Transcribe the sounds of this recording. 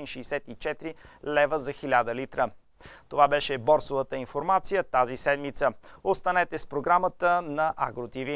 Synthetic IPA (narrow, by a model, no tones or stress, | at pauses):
ɛnʃɛisɛt̪it͡ʃɛt̪ɾilɛvəzɐxilʲad̪əlit̪ɾə | t̪ovabɛʃɛbɔɾsovət̪əinfoɾmat̪sijət̪azisɛd̪mit̪səot̪st̪ɐnɛt̪ɛspɾoɡɾamət̪ənɐʔa̰ɡɾot̪ivi